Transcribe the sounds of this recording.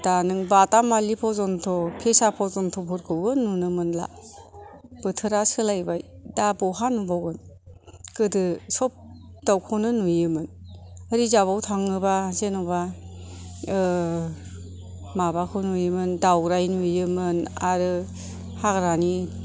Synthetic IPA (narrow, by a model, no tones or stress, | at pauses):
d̥anɯŋbatamalipʰɔzɔntʰɔpʰesapʰɔzɔntʰɔpʰɔɾkʰɯwɯnunɯmɯnla̰ | b̥ɯtʰɯɾasɯlajbajdabɔɦanubɔwɡɯn | kɯdɯsɔp̚ | d̥awkʰɔnɯnujɯmɯnaɾizabawtʰaŋɯbazenɔwba | mabakʰɯnujɯmɯndawɾajnujɯmɯna̰ɾɯ | haɡɾani